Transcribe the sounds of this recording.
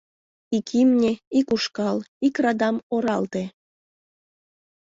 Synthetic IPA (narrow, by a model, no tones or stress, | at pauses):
ikʰimnʲeikuʃkɑlikrɑd̪ɑmoɾɑlt̪e